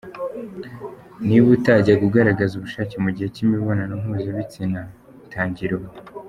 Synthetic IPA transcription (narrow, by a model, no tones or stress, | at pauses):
niβutaɟaɡuɡaɾaɡazuβuʃaːcemuɟihe̞cimiβonanoŋ̥huzaβit͡sina | tʰaːɲɟiɾowo